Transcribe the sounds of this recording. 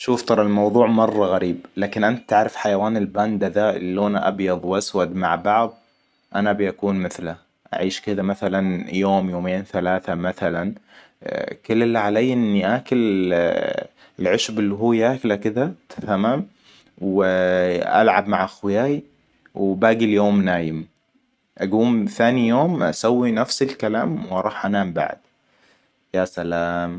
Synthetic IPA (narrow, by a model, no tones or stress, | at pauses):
ʃuːft̪ˤɑɾˤɑlmɑwðˤuːʕmɑrˤːɑɣaɾiːblaːkɪnʔant̪̚t̪aʕɾɪfħajawaːnɪlbaːnd̪aðaːʔɪlːoːnaʔa̰bjɑðˤwʔaswad̪ma̰ʕbɑʕðˤ | ʔanabʔakuːnmɪθla | ʔa̰ʕiːʃkɪðamaθalanjoːmjoːmeːnθalaːθamaθalan | kɪlːlːaʕalajːʔɪnːiʔaːkɪl | ɪlʕɪʃbɪlːiɦuːjaːklakɪd̪at̪ʰḁθamːam | w | ʔa̰lʕabmaʕʔaxwɪjaːj | wbaːɡiljoːmnaːjɪm | ʔaɡuːmθaːnijoːmʔa̰sawːinafsɪlkalaːmwɾˤɑːħʔanaːmba̰ʕd̪̥ | jaːsalaːm